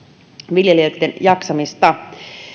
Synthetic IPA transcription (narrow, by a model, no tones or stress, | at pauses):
ʋiljeliøt̪ːenjɑksɑmist̪ɑ